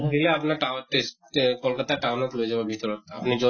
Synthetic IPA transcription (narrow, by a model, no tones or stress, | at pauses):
bʱileapnaʈaʈesʈkɔlkət̪aʈawnɔt̪loed͡ʒababʱit̪ɔɾɔt̪a̰pnid͡ʒo